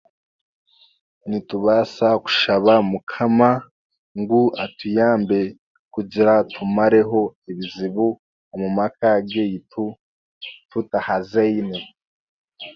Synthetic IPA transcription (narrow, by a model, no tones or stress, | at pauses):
nituβasaku̥ʃaβamukʰama | ŋɡuatujaːmbe̞ | kuɟiɾatʰumaɾe̞ɦo̞eβiziβu | omumakaɡɡejitʰu | tutahazeine